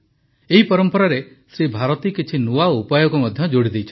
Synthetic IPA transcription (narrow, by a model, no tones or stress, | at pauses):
eɦipɔɾɔmpɔɾaɾe | sɾibʱaɾɔt̪ikit͡ʃʰinuaupajɔkumɔd̪ʱjɔd͡ʒoɽid̪ejt͡ʃʰɔ